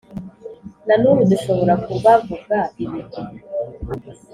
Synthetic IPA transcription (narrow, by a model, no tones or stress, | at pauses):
nanuɾuduʃo̞βo̞ɾakuβavuɡɡaiβini